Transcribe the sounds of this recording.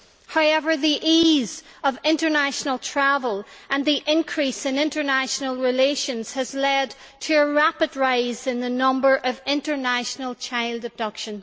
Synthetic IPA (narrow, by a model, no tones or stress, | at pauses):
haʊɛvə˞ðiʔizʌvɪ̃ntə˞næʃnəlˠtʰɹ̥avəlˠʔə̃nðiʔɪ̃nkʰɹ̥isɨ̃nɪ̃ntə˞næʃnəlˠɹɪleʃə̃nz̥ɨzlɛd | tʰəːɹapɨd̚ɹaɪzɨ̃nðɨnʌ̃mbə˞ʔʌvɪ̃ntə˞naʃnəlˠt͡ʃʰaɪlˠdəb̚dʌkʃə̃n